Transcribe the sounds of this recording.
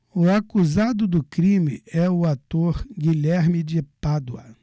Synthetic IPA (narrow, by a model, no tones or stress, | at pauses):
ʊakuzad̪ʊd̪ʊkɾĩmɪ̰ɛʊat̪oɾɡiʎɛɾmɪd͡ʒɪpad̪wɐ̰